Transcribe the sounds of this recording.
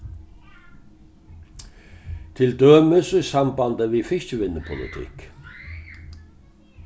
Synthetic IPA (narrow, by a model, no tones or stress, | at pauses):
t̪ʰɪld̪øːməsʏsɑmbɑnd̪əʋiːfɪʃt̪əʋɪnːəpʰʊlɪ̰t̪ʰɪ̰k